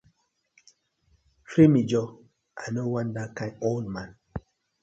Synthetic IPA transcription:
femid͡ʒɔ | ʔa̰nowãndakãõnmãn

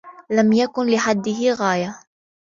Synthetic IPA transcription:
lamjakʊnlɪħad̪ːɪɦɪɣaːja

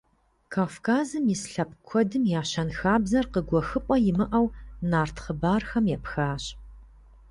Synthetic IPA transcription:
kʰaːfkʰaːzɨmjɪsɬɐp̚kʷʰɔdɨmjaːɕɐnxaːbzɐrqəɡʷɔxɨpʼɔjɪmɨʔɐwnaːrtʰχəbaːrxɐmjɛpxaːɕ

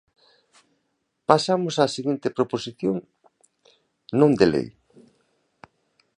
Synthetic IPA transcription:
pasamʊsaːsiɣint̪epɾoposiθjoŋ | nõŋd̪elḛj

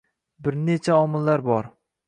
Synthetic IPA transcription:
bɪɾne̞t͡ʃʰaɒmɪlːaɾbɒɾ

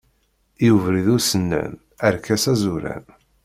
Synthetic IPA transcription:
juvɾiðʊɾsənːæ̰n | əɾkæsæzuɾæ̰n

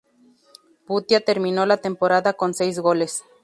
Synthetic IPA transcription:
but̪jat̪e̞ɾmĩno̞lat̪e̞mpo̞ɾaðako̞nse̞jzɣo̞le̞s

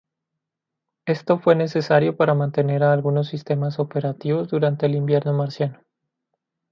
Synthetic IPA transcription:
e̞st̪o̞fwe̞ne̞se̞saɾjo̞paɾamãnt̪e̞ne̞ɾaːlɣuno̞s̬ːist̪e̞maso̞pe̞ɾat̪iβo̞zðuɾant̪e̞ːlimbje̞ɾno̞maɾsjano

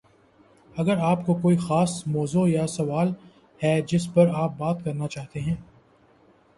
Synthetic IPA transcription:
ɐɡəɾaːpkokoːixaːsmɔːzojasɐʋaːl | hɛd͡ʒɪspɐɾaːp̚baːt̪kɐɾnat͡ʃaːɦt̪eɦɛ̃ː

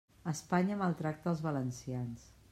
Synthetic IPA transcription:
əspaɲəməlˠt̪ɾak̚t̪əːlˠzβələnsians

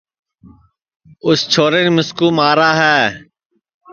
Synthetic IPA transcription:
ʊst͡ʃʰoːɾeːnːmɪskuːmaːɾaːɦɛː

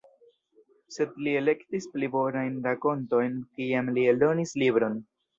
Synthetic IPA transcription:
se̞dlie̞le̞ktisplibo̞najnɾako̞nto̞jnkiamlieldo̞nislibɾo̞n

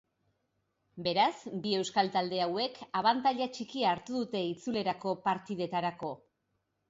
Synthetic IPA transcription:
be̞ɾasbie̞wskalt̪ald̪e̞awe̞kʰaβant̪aʎat͡ʃikiaːɾt̪uðut̪e̞it͡sule̞ɾako̞paɾt̪ið̞e̞t̪aɾako̞

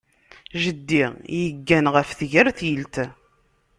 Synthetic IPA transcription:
ʒəd̪ːiʁjəɡːænʁəfθʝəɾθjəlt̪

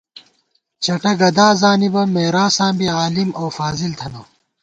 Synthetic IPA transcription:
t͡ɕʰɐʈɐɡɐd̪aːzaːnibɐmeːɾaːsãːmbiaːlimɐwfaːzilt̪ʰɐnɐ

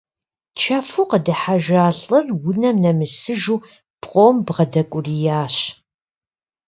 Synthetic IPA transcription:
t͡ʃʰɐfuːqədɨħaʒaːɬʼɨrwʊnɐmnɐmɨsɨʒuː | b̥qʷʼoːmbʁɐdɐkʷʼʊrijaːɕ

